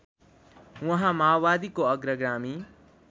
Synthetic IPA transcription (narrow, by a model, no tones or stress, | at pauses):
ʋɐɦãmaːwʋaːd̪iːkoɐɡɾəɡɾaːmi